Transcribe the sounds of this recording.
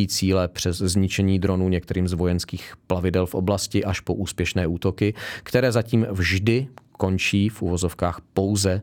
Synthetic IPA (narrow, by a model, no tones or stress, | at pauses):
iːt͡siːlɛpr̝̥ɛzzɲɪt͡ʃɛɲiːd̪ɾo̞nuːɲɛk̚t̪ɛɾiːmzvo̞jɛnskiːxplavɪdɛlfʔo̞̰blascɪʔaʃpoʔuːspjɛʃnɛːʔuːt̪o̞kɪkt̪ɛɾɛːzaciːmvʒdɪko̞nt͡ʃiːfʔuvo̞zo̞fkaːxpo̞wzɛ